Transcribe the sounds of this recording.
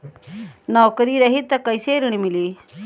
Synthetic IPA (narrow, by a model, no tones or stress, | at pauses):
nawkəɾiɾɐɦit̪akajseɾiɳimili